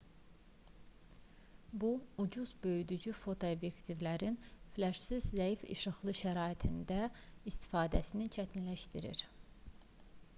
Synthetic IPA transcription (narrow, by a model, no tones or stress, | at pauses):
buud͡ʒuzbø̞jyd̪yd͡ʒyfo̞t̪ʰoobje̞kt̪ʰivlæɾinflæʃsizːæifḭʃɯxlˠɯʃæɾɑːit̪ʰind̪æist̪ʰi̥fɑːd̪æsinit͡ʃʰæt̪ʰinlæʃt̪iɾḭɾ